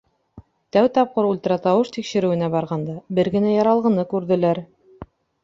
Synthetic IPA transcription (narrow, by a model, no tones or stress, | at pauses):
t̪æwt̪ɑp̚qɤɾult̪ɤ̆ɾɑt̪ɑwɤʃt̪ikʃɘ̆ɾɘ̆wɘ̆næbɑɾʁɑnd̪ɑbɘɾɡɘ̆næjɑɾɑlˠʁɤ̆nɤkʉɾðɘ̆læɾ